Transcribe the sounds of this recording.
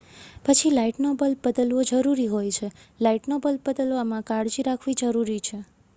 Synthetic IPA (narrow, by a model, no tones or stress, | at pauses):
pət͡ʃʰilaiʈnobəlbəd̪əlʋod͡ʒəɾuɾiɦojt͡ʃʰelaiʈnobəlbəd̪əloamãkaɽd͡ʒiɾakʰʋid͡ʒəɾuɾit͡ʃʰe